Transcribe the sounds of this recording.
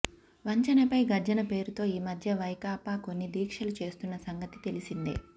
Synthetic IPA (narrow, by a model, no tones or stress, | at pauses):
ʋɐɲt͡ʃɐnɐpɐjɡɐɾd͡ʒɐnɐpe̞ːɾut̪o̞ːiːmɐd̪ʱjɐʋɐjkaːpaːko̞nːid̪iːkʂɐlut͡ʃe̞ːst̪unːɐsɐŋɡɐt̪i̥t̪e̞lisind̪ḭ